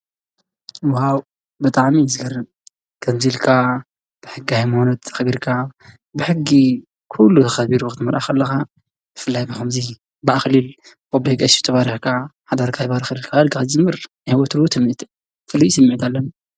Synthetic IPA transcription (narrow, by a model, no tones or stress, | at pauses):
waw | bɨt̪ʼaʕmizɨɡɐrːɨb | ɡ̥ʰɐmzilkʰa | b̥ɨħɨɡihajmonɐt̪xɨβiɾkʰa | bɨħɨɡːi | kʰulːut̪ʰɐxɐβiɾuxɨt̪ʰɨmɐɾʔaxɐlːɐxa | bɨfɨlːajbɨxɐmzi | bɨʔaxlil | kʼobikʼɐsiɨt̪ʰɐβaɾiħkʰaħad̪aɾkʰaβaɾxɨlilkʰaɐlɡaad͡ʒɨmːɨɾ | hiwɔt̪ɨɾwut̪ʰɐmːit̪ʰ | fɨlːijsɐmːiʕit̪ʰalːɐn